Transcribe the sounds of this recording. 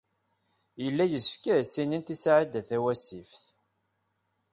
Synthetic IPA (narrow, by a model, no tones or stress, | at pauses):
jəlːæjəsfkiɾsːinint̪isʕid̪æθæwæsifθ